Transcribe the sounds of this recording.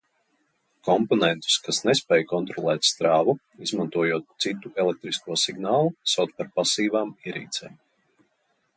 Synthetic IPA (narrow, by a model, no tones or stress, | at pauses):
kɔmpɔnɛ̃nt̪u̥skasnɛspɛːjkɔnt̪ɾɔlˠɛːt̪st̪ɾaːvu | izmant̪uɔjuɔt̪̚sit̪ːuʔɛlˠɛk̚t̪ɾiskuɔsiɡnaːlˠusawt̪paɾpasiːvaːmiɾḭːt̪sɛːm